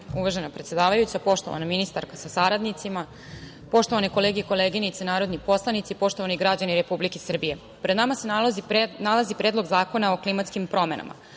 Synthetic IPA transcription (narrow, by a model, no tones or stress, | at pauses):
uʋaʒenapɾet̪se̞d̪aːʋajut͡ɕapo̞ʃt̪o̞ʋa̰naminist̪a̰ɾkasasaɾad̪nit̪sima | po̞ʃt̪o̞ʋaneko̞leːɡeiko̞leːɡinit̪senaːɾo̞d̪nipo̞slˠanit̪sipo̞ʃt̪o̞ʋaniɡɾad͡ʑaniɾe̞publikesr̩bije̞ | pɾed̪namase | nalazipɾed̪lˠo̞ɡzaːko̞naoklimat̪skimpɾo̞mena̰mʔa̰